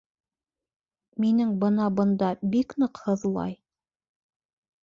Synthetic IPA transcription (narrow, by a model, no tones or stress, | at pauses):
minɘŋbɤnɑbɤ̆nd̪ɑbiknɤ̆qhɤðlˠɑ̰j